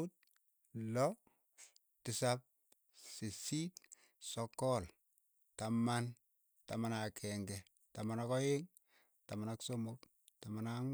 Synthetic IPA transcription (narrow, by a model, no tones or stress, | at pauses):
ut̚ | lɔ | tɪsap̚ | sesit | sɔkɔl | taman | ta̰manakʰɛŋɡɛ | tamanakɔjeŋ | tamanaksomok | tamanaŋ